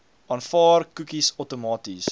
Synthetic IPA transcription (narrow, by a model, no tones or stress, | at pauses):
ʔɑːnfɑːrkukisəwtomɑːtis